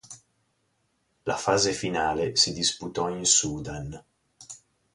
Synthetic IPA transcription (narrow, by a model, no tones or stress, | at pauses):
la̰faːzefinaːlesid̪isput̪ɔinsud̪an